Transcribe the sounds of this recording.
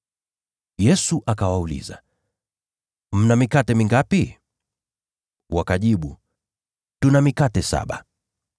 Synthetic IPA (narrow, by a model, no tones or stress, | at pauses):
jɛsuʔakawaulḭza̰ | m̩namikatɛmiŋɡapi | wakaʄiɓu | tunamikatɛsa̰ɓa̰